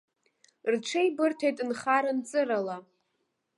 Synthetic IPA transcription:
rʈ͡ʂʷʰejbɨrtʰejtʼnχaɾant͡sʼɨɾala

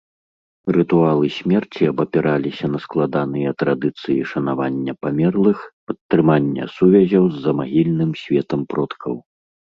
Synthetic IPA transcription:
rɨt̪ualˠɨsʲmʲɛrt͡sʲiɐbɐpʲɛɾʔalʲisʲɐnɐsklˠad̪anɨjɐt̪ɾad̪ɨt̪sɨjḭʂɐnavanʲːɐpamʲɛrlˠɨxpɐt̪ːɾɨmanʲːɐ̰suvʲɐzʲɐwzːɐmaɣʲilʲnɨmsʲvʲɛt̪ɐmpɾɔt̪kʰɐw

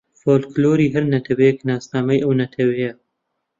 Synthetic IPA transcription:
foːlkloːɾiːɦɐɾnɐt̪ʰɐwɛjeknaːsnaːmɐjʔɐwnɐt̪ʰɐwɐjɐ

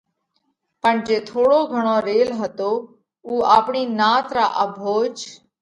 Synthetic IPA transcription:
pəɳd͡ʒeːt̪ʰoːɽoːɡʱəɳ̃õːɾeːlɦət̪oː | uːaːpɳiːnaːt̪ɾa̰ːʔəbʱoːd͡ʒ

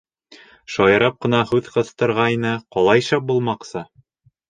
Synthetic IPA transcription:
ʃɒjɤ̆ɾɤp̚qɤ̆nɑhʉðqɤ̆θt̪ɤ̆ɾʁɑjnɤqɒlˠɑjʃɑp̚bulˠmɑqsɤ

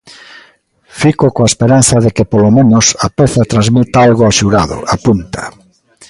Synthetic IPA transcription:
fikokõaespeɾan̟θɐðekepolomẽnosapeθɐt̪ɾãnzmit̪aalɣoaʃuɾaðʊ̰apunt̪ɐ̥̰

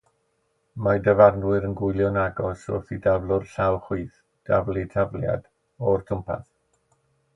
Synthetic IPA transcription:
madəvarnwɨɾənɡʊɨlˠjɔnaɡɔsɔ̰fidavlˠʊrɬawχwiːθ | d̥a̰vlˠɪtʰavlja̰d̥ | ɔrtʰʊmpʰa̰θ

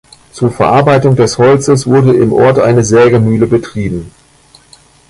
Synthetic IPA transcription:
t͡suːɐfɛɐʔaɐbaɪtʊŋdɛshɔlt͡səsv̥ʊɐdəɪmʔɔ̰ɐtʔaɪnəzɛːɡəmyːləbətʁ̥iːbm̩

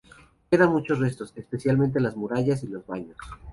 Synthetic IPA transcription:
ke̞ðamut͡ʃo̞sre̞st̪o̞sespe̞sjalment̪̬e̞lazmuɾaʝas̬ilo̞zβaɲo̞s

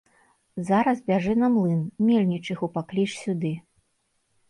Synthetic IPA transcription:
zaɾɐzbʲaʐɛnɐmlˠɨnmʲelʲnʲit͡ʂɨxupaklʲiʂsʲud̪ɨ

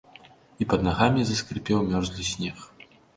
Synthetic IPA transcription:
ipɐd̪naɣamʲizɐskɾɨpʲɛwmʲɔrzʲlʲɨsʲnʲɛx

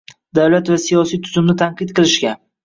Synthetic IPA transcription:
d̪awlat̪vasijɒsijt̪ʰʊzʊmnɪt̪ʰaɴqɨt̪̚qʰɨlɪʃkʲa

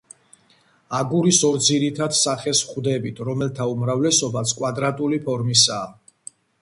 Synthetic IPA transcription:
aɡuɾisɔɾd̪ziɾit̪ʰad̪saχɛsχwd̪ɛbit̪ʰɾɔmɛlt̪ʰaumɾavlɛsɔbasʰkʼwad̪ɾat̪ʼulipʰɔɾmisaː

